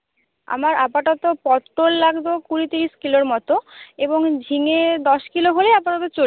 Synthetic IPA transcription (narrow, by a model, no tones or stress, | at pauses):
a̰maɾapaʈot̪opɔt̪ɾolːaɡd̪okuɾit̪iɾiʃkiloɾmɔt̪oeboŋd͡ʑʱiŋed̪ɔʃkiloɦoleapaʈot̪ot͡ɕo